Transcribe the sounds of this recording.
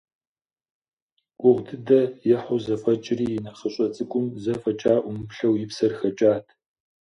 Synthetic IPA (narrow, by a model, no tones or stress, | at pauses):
kʷʼʊʁdɨdɐjɛħʊzɐfɐt͡ʃʼɪriːjɪnɐχəɕʼɐt͡sʼɨkʷʼʊmzɐfɐt͡ʃʼaːʔʷʊmɨpɬɐwjɪpsɐrxɐt͡ʃʼaːtʰ